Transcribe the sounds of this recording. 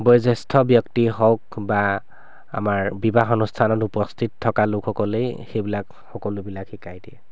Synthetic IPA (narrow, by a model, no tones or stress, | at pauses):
bɔjzestʰɔbjɔktixɔkba | a̰maɹbibaxɔnustʰanɔtupɔstʰittʰːɔkalʊkxɔkɔlejxejbilak | xɔkɔlʊbilakxikajdiɛ